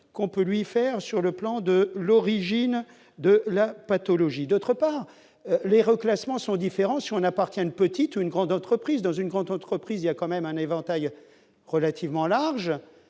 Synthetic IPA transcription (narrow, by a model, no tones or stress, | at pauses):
kɔ̃pølɥifɛʁsyʁləplɑ̃d̪əlɔʁiʒin | d̪əlapat̪ɔlɔʒid̪ot̪χəpaʁ | leʁəklasmɑ̃sɔ̃d̪ifeʁɑ̃siɔ̃napaʁt̪jɛ̃ynpət̪it̪uynɡʁɑ̃d̪ɑ̃t̪χəpχizd̪ɑ̃zynɡʁɑ̃d̪ɑ̃t̪χəpχiziljakɑ̃mɛmɛ̃nevɑ̃t̪aj | ʁəlat̪ʰivmɑ̃laʁʒ